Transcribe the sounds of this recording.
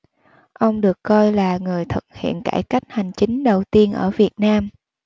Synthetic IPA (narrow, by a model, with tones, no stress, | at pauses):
ʔə˧wŋ͡mɗɨ˨˩əkːɔ˧jlaː˨˩ŋɨ˨˩əjt̪ʰə˨˩t̚hḭ˧˨ənka̰ː˧˩jka˦˥jk̟̚ha˨˩jŋ̟t͡ɕï˨˦ŋ̟ɗə˨˩wt̪i˧ənʔəː˧˩vi˨˩ət̚naː˧m